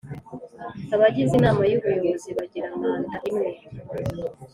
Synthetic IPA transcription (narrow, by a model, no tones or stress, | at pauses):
aβaɟizinaːmajuβujoziβaɟiɾaŋɡandaʔimweɾ